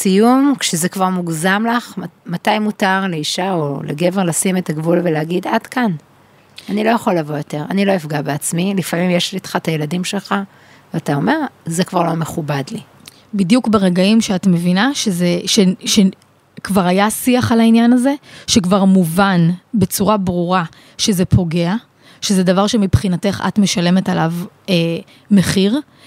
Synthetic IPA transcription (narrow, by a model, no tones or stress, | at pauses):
sijumkʃezekvaʁmuɡzamlaχmatajmutaʁleiʃaolʔḛɡe̞veʁlasimetaɡvulveleaɡidad̥kan | anilo̞jaχo̞lːavo̞jo̞te̞ʁa̰nilo̞ifɡabeat͡smilifamimjeʃlit̪χataje̞ladimʃe̞lχa | veatao̞me̞ʁzekvaʁlo̞me̞χubadli | bidjukbeʁeɡaimʃeatme̞vinaʃezeʃeʃe | kvaʁajasiaχalainjanaze̞ʃekvaʁmuvanbe̞t͡suʁabʁuʁa | ʃe̞ze̞pʰo̞ɡe̞a | ʃezedavaʁʃemipχinate̞χa̰tme̞ʃale̞me̞talave | me̞χiʁ